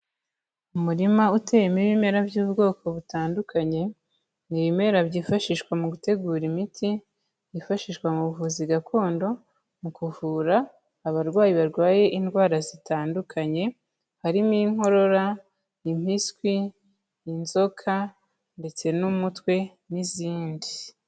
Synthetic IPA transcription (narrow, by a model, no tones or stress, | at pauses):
umuɾimautʰe̞jemiβime̞ɾavjuːbɡo̞ːko̞βutaːndukʰaɲe̞ | niβime̞ɾabɟiːfaʃiʃkwamuɡute̞ɡuːɾimitʰi | jifaʃiːʃkwamuβuvuːziɡakʰo̞ːndo̞ | mukuvuːɾaː | βaɾɡwaːjiβaɾɡwaːje̞ʔindɡwaːɾazitaːndukʰaɲe̞ | haɾimiŋo̞ɾo̞ɾa | im̥iskwiː | nzo̞kʰa | nde̞t͡se̞numutwe̞ | niziːndi